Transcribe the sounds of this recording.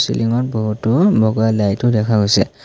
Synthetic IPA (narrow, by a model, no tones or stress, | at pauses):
sḭlʔiŋɔt̚bɔɦutːʊbʱɔɡɔalajtʊdɛkʰaɡojsɛ